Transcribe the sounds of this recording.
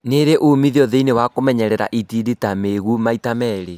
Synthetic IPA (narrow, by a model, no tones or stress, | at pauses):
neɾeʔomiðiɔðeinewakomɛɲɛɾɛɾa̰ʔitiɾetameɣumaitamɛɾe